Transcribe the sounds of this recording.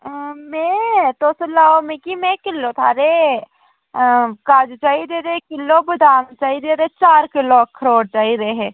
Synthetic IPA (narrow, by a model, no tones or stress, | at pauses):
mẽt̪osʊlːaːomẽkimẽkɪlːot̪ʰa̰ɾe | kaːd͡ʒt͡ʃaːid̪eːɾekɪlːobɪd̪ʱaːnt͡ʃaːid̪eːɾet͡ʃaːɾkɪlokʰəɾoːɽ̚t͡ʃaːiɾeeɦeː